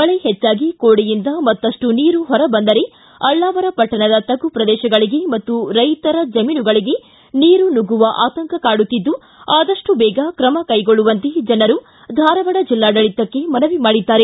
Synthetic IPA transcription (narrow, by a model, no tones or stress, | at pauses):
ɐɭeɦɛt͡ʃːaːɡikoːɽijind̪ɐmɐt̪ːɐʂʈuniːɾuɦɔɾɐbɐnd̪ɐɾe̞ | ɐɭːaːʋɐɾɐpɐʈːɐɳɐd̪ɐt̪ɐɡupɾɐd̪ɛːʃɐɡɐɭiɡe̞mɐt̪ːuɾɐjt̪ɐɾɐd͡ʒɐmiːnuɡɐɭiɡe̞ | niːɾunuɡuʋɐʔaːt̪ɐŋkɐkaːɽut̪ːid̪ːu | aːd̪ɐʂʈubɛːɡɐkɾɐmɐkɐjɡoɭːuʋɐnt̪e̞d͡ʒɐnɐɾu | d̪ʱaːɾɐʋɐɽɐd͡ʒilːaːɖɐɭit̪ːɐkːe̞mɐnɐʋimaːɽid̪ːaːɾe̞